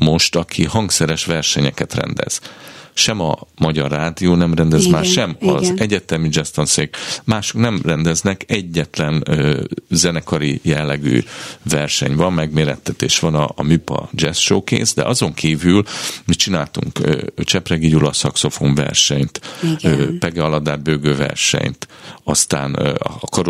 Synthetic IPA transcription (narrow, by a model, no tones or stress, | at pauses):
mo̞ʃt̪ɒkʰihɒŋksɛɾɛʃʋɛrʃɛɲɛkɛt̪rɛ̰nd̪ɛ̰z̥ʃɛmɒmɒɟɒrːaːd̪ijoːnɛmrɛnd̪ɛzmaːʃɛmɒzɛɟɛt̪ɛmid͡ʒɛst̪onseːkmaːʃo̥knɛmrɛnd̪ɛznɛkɛɟːɛt̪lɛnøːzɛnɛkɒɾijɛlːɛɡy̰ːvɛrʃɛ̰ɲvɒmːɛɡmeːɾɛt̪ːɛt̪ḛːʃʋɒnɒmypɒ̰d͡ʒɛsʃoːkḛːsd̪ɛ̰ʔɒzo̞ŋkʰiːvylmit͡ʃinaːlt̪ṵŋkø̰t͡ʃɛprɛɡijulɒsɒkso̞fo̞ɱvɛ̰rʃɛɲt̪ː | pɛɡɛɒlɒd̪aːd̪̚bøːɡøːvɛ̰rʃɛ̰ɲt̪ɒst̪a̰ːnkɒɾ